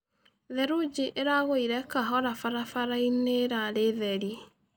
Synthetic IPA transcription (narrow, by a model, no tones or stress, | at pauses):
ðɛɾud͡ʒiʔeɾaɣoiɾɛkaɦɔɾafaɾafaɾaineɾaɾeðɛɾi